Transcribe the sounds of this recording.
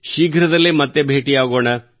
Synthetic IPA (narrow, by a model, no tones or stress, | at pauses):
ʃiːɡʱɾɐd̪ɐlːimɐt̪ːebʱeːʈijaːɡoːɳɐ